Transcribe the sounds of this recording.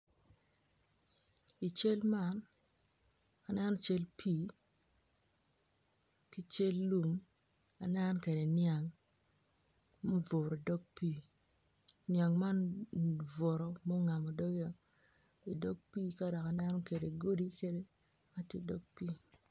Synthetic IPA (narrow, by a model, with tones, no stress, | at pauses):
i˨t͡ʃe˦lma˦˨n | a˨nɛ˦nɔ˦t͡ʃe˦lpʰiː˦˨ | ki˦t͡ʃe˦lːu˨m | a˨nɛ˦nɔ˦ke˨de˨nja˨ŋ | mo˦vo˨ɾo˨dɔ˦ɡ̚pi˦ | nɪa˨ŋma˦n | vo˨ɾɔ˨mɔ˦ŋa˨mo˨dɔ˦ɡa˨ | i˨dɔ˦ɡ̚piː˦ka˦dɔ˨ka˨nɛ˦nɔ˦ke˨de˨ɡo˦di˦ke˦de˦ | ka˦tje˦dɔ˦ɡ̚pi˦